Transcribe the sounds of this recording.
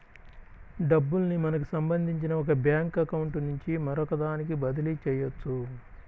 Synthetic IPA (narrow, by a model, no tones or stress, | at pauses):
ɖɐbːulnimɐnɐk̬u̥sɐmbɐnd̪ʱiɲt͡ʃinɐɔkɐbjaːŋkɐkɐwuɳʈnuɲt͡ʃimɐɾɔkɐd̪aːnikibɐd̪ɐlit͡ʃɛːjɐt͡ʃːu